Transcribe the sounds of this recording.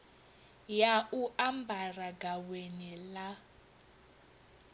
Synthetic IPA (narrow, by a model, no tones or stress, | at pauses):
jauʔambʱaraɡawenila